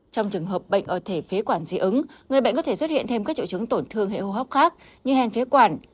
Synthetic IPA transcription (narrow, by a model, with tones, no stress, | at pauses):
t͡ɕɔ˧wŋ͡mt͡ɕɨ˨˩əŋɦəː˨˩p̚ɓə̰˧˨jŋ̟ʔəː˧˩t̪ʰe˧˩fe˨˦kwaː˧˩nzḭ˨˦ʔɨ˨˦ŋŋɨ˨˩əjɓə̰˧˨ŋ̟kɔ˨˦t̪ʰe˧˩swə˦˥t̚hḭ˧˨ənt̪ʰe˧mkaː˦˥k̚t͡ɕṵ˧˨t͡ɕɨ˨˦əŋt̪o˧˩nt̪ʰɨ˧əŋɦḛ˧˨ho˧˩ɦɔ˦˥wp̚xaː˦˥k̚ɲɨ˧hɛ˧nfe˨˦kwaː˧˩n